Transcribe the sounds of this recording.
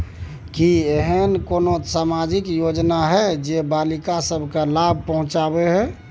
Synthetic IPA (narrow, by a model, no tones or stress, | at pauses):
kieɦənkonosamad͡ʒikjod͡ʒnaɦɛd͡ʒebalikasəbʱkalab̚ʱpəɦũt͡ʃabeɦɛ